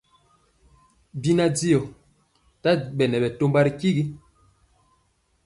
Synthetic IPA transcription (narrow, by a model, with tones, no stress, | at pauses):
bi˦na˦d͡zi˦ɔ˨ | ta˦ɓɛ˨nɛ˨bɛ˨to˦mba˦ɾi˦ki˦ɡi˦